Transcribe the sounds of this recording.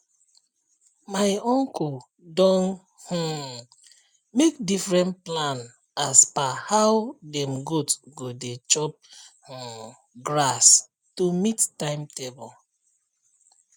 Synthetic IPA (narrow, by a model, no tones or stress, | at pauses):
maɪɔ̃ŋkɔl | dɔ̃n | hũ | mek̚difɹɛ̃ntplãn | aspahawdɛ̃mɡutɡodet͡ʃɔp̚hɔ̃ | ɡɹas | tumittãɪmtebɔl